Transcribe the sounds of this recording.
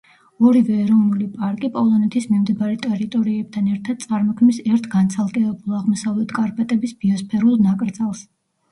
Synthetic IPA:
ɔɾivɛːɾɔvnulipʼaɾkʼipʼɔlˠɔnɛt̪ʰismimd̪ibaɾɛt̪ʼɛɾit̪ʼɔɾiɛb̚t̪ʰanɛɾt̪ʰad̪̥̚t̪sʼaɾmɔkʰmisɛɾt̪ʰɡant̪sʰalˠɡʼɛvɛbulˠaʁmɔsavlɛt̪ʰkʼaɾpʼɛt̪ʼɛbisbiɔspʰɛɾulˠnakʼɾd̪zalˠs

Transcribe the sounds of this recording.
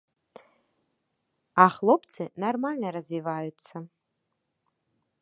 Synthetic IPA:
aχlˠo̞pʰt͡sʰɨnarmalʲnɐɾazvivajut͡sʰːa

